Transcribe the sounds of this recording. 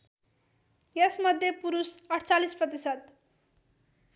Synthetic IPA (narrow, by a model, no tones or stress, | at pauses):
jʌsmʌd̪ʱjepuɾusʌʈʰt͡salisprʌt̪̬isʌt̪̚